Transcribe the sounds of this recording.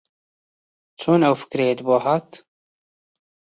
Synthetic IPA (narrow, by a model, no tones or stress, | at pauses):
t͡ʃʰoːnɛwfɨ̥kɾed̪boːɦaːt̪